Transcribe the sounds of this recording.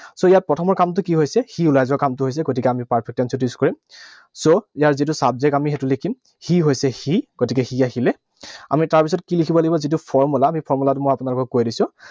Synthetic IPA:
soijat̚pɹɔtʰɔmɔɹkamt̬ʊkiɦojsɛxiulajzɔkamtʊɦojs̬ɛɡotikɛamipaɹpʰɛk̚tɛnsutiskɔɹim | soijaɹzitʊsabzɛkamixɛtʊlekʰim | xiɦojsɛxiɡ̥otikɛxiaxilɛ | a̰mitaɹpisɔtkilikʰibɔlaɡibɔzitʊpʰɔɹmulaːmipʰɔɹmulatʊmojapʊnalʊkɔkkojdisʊ̃

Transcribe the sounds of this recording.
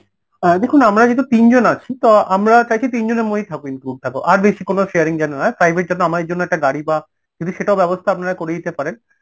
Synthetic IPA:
ɛd̪ekʰunamɾad͡ʑet̪̬ut̪ind͡ʑonat͡ɕʰit̪oamɾat͡ɕajt͡ɕʰit̪ind͡ʑoneɾmoɦit̪ʰakoinkɾuɖ̚t̪ʰakoʔaɾbeʃikonoʃeaɾiŋd͡ʑɛnonaepɾajbeɾd͡ʑonːoamad̪eɾd͡ʑonːoɛk̚ʈaɡaɽiba | kĩnt̪ʰuʃeʈaobɛbost̪ʰaap̚naɾakoɾed͡ʑit̪epaɾen

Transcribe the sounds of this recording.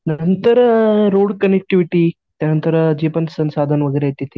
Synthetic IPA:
nɐnt̪əɾəɾoːɽkɐnek̚ʈiʋiʈi | t̪janɐnt̪əɾəd͡ʑiːpɐnsɐnsaːd̪ʱanʋəɡɐɾeet̪ːit̪i

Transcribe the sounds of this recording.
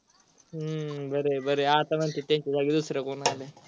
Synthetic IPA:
bɐɾebɐɾeaːt̪ɐmɐnt̪it̪eɲt͡ʃizaɡid̪usɾɐkunaːle

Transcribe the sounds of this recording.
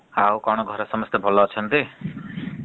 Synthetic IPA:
awkɔɽ̃ɔɡʱɔɾesɔmɔst̪ebʱɔlɔːt͡ʃʰɔnt̪i

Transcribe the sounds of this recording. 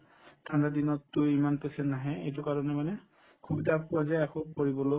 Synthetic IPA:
tʰandadinɔtːʊimanpesɛnnaɦɛḛjtʊkaɹɔnɛmanɛ | kʰubitapɔzaakokoɹibɔlo

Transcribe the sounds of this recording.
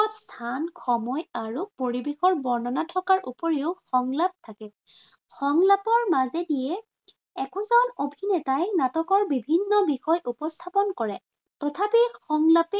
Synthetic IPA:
ɔtstʰanxɔmɔjaɹupoɹibexɔɹbɔɹnɔnatʰɔkaɹʔṵpɔɹeʊxɔŋlap̚tʰakɛ | xɔŋlapɔɹmazɛdijɛ | ɛkɔzɔnobʱinɛtajnatɔkɔɹbibʱinːɔbixɔjʔupɔstʰapɔnkɔɹɛ | tɔtʰapixɔŋlapɛ

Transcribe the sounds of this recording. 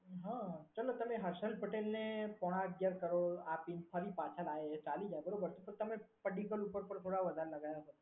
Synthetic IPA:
ɦãt͡ʃəlot̪əmeɦəɾʃəlpəʈelnepɔɽ̃ãəɡjaɾkəɾoapinfʰəɾipat͡ʃʰalaet͡ʃalid͡ʒaebəɾobəɾt̪upəɾt̪əmepəɖikəlupəɾpəɳt̪ʰoɽaʋəd̪ʱaɾeləɡajaɦət̪a

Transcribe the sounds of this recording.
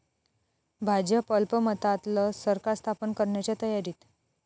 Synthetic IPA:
bʱad͡ʑəpəlpəmət̪at̪ləsəɾkast̪ʰapənkəɾɳjat͡ɕjat̪əjaɾiːt̪

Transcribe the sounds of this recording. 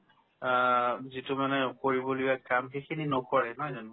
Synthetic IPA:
zitʊmanɛkoɹibɔlʊjakamxekʰininɔkɔɹɛnɔjzanu

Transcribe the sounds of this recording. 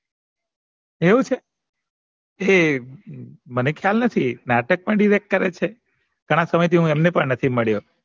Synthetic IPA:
eũt͡ʃʰe | e | mənekʰjalnət̪ʰinaʈək̚pəɳɖiɾek̚ʈ̚kəɾet͡ʃʰe | ɡ̥ʱəɽ̃asəməjt̪ʰiɦũemnepəɳnət̪ʰiməɭjo

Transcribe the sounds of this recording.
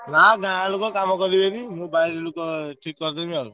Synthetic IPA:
naɡʱãɽ̃lukɔkamɔkɔɾibenimobajllukɔʈʰikːɔɾt̪emĩaɾṵ

